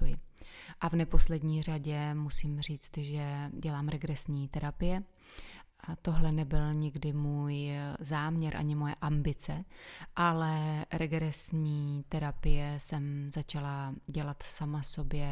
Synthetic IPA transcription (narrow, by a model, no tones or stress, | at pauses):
jɪ | ʔavnɛpo̞slɛdɲiːr̝aɟɛmusiːmr̝iːt͡st̪ʒɛɟɛlaːmɾɛɡɾɛsɲiːt̪ɛɾapɪjɛ | t̪o̞ɦlɛnɛbɪlɲɪɡdɪmuːjzaːmɲɛɾʔa̰ɲɪmo̞jɛ̰ʔambɪt͡sɛʔalɛɾɛɡɾɛsɲiːt̪ɛɾapɪjɛsɛmzat͡ʃalaɟɛlat̪samaso̞bjɛ